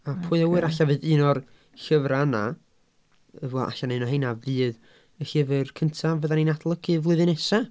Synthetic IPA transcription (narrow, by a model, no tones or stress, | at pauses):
apʰʊɨɛwɨɾaɬavɨːðɨːnɔr | ɬəvɾana | əvɛa̰ɬanɨnɔhejnavɨːð | əɬɪvɨrkʰəntʰavəðaninadlˠəɡɨvlˠɨðɨnɛsa